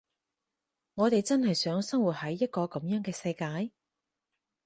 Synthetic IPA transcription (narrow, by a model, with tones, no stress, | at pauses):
ŋɔː˨˧t̪e˨jt͡sɐ˥nhɐ˨jsœː˨˥ŋsɐ˥ŋwu˨t̚hɐ˨˥jːɐ˥t̚kɔː˧kɐ˨˥mjœː˨˥ŋkɛː˧sɐ˧jkaː˧˥j